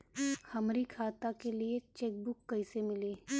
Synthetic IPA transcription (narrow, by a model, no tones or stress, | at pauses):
hɐmɾikʰaːt̪akeliet͡ʃeːk̚bʊkːɐɪsemɪleː